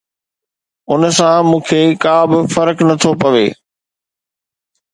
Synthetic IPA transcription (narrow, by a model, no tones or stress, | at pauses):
ʊnsãmũːkʰekaːbɪfɐɾknɐt̪ʰopɐʋeː